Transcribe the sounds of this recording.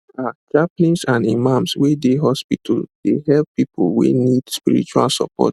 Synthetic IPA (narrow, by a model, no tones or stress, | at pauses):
at͡ʃaplĩnsãnimãmswedeɦɔspitʰadehɛlppipʰolwḛnidspiɹḭt͡ʃua̰lsɔ̰pɔ̰t